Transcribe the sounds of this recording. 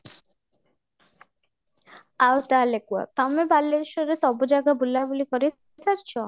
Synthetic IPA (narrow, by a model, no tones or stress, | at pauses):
awt̪alekua̰t̪amebalːeɾʃɔɾesɔbɔd͡ʒaɡabulabulikɔɾi | saɾt͡ʃʰɔ